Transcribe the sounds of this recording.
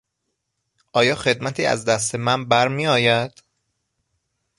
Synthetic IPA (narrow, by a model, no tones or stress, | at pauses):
ʔɒːjɒːxe̞d̪mæt̪ʰiːæ̰zd̪æst̪emænbæɾmiːɒːjæd̪̥